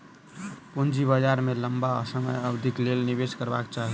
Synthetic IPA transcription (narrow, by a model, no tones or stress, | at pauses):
pund͡ʒibəd͡ʒaɾmeləmba̰səməjəbd̪ʱiklelnibeskəɾba̰kt͡ʃaɦi